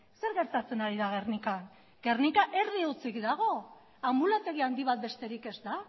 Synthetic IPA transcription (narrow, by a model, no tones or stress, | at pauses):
se̞ɾɣe̞ɾt̪at͡se̞naɾiðaɣ̞e̞rnikan | ɡe̞rnikaʔe̞ɾðiut͡sikd̪aɣ̞o̞ | ambulat̪e̞ɣiand̪iβ̞at̪̚be̞st̪e̞ɾike̞zt̪a